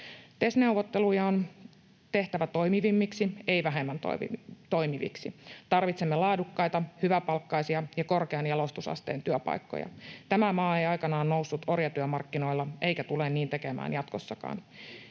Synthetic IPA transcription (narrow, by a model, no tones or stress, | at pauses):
t̪e̞sne̞uʋot̪ːelujɑon | t̪e̞ht̪æʋæt̪o̞jmiʋimːiksieiʋæɦemːænt̪o̰t̪o̞jmiʋḭksit̪ɑrʋit̪semːelɑːdukːɑjt̪ɑhyʋæpɑlkːɑjsiɑjɑkorkeɑnjɑlo̞st̪usɑ̰st̪ḛːnt̪yøpɑ̰ikːo̰jɑ̰t̪æmæmɑːejɑjkɑnɑːnnousːut̪orjɑt̪yømɑrkːino̞ilːɑʔe̞ijkæt̪ulenniːnt̪e̞kemæ̰ːnjɑt̪kosːɑkɑ̰ːn